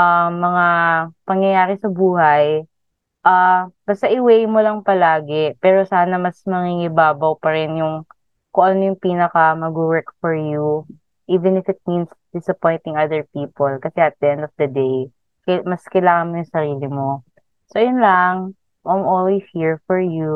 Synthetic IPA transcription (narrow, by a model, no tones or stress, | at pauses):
ʔamːɐŋapɐŋjɐjaːɾɛsɐbuːhɐj | ʔab̥ɐst̪ɐʔɪwejmolɐŋpɐlaːɡɛpɛːɾo̞saːnɐmɐsmɐŋiŋɪbaːbɐwpɐɾɪnjʊŋ | koʔonmojʊŋpiːnɐkɐmɐɡuwɛɹkfɔɹju | ʔiːvɛ̃nɪfɪt̪̚minsd̪̥ɪsɐpɔjnt̪ɪŋɐd̪ɛɹpiːpolkɐsɛʔɐt̪̚d̪ɐʔɛ̃nd̪ɔfd̪ɐd̪ej | kmɐskɐjlaːŋɐnmojʊŋsɐɾiːlɪmo̞ | sojʊnlaŋ | ʔajmʔolwihiɹfɔɹju